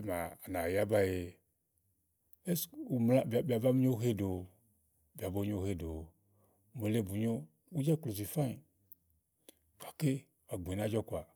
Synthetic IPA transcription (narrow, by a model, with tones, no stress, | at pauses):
e˦ma˨a˨na˨ja˦ba˦je˨ | e˦su˨mla˦bbʲa˨ba˦m˦ɲo˦ɦe˦do˨ | bʲa˨bo˦ɲ˦o˦he˦do˨˦ | mo˨le˦bu˨ɲo˦ | wu˦d͡ʒa˦klo˨zi˨fa˦i˨ | kʷa˨ke˦ | a˨ɡ͡be˨na˦d͡ʒɔ˦kʷa˨